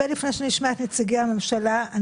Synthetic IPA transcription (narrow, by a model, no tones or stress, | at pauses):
elifnejʃeniʃmaet̪net͡siɡiame̞mʃalaan